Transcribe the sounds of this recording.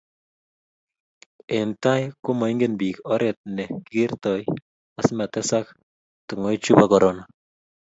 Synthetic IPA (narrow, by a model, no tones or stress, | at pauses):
entajkumɔiŋɡenbiːkɔɾɛt̪̚nɛkirtɔj | asmatɛsak̚ | tuŋojt͡ʃubakɔɾɔna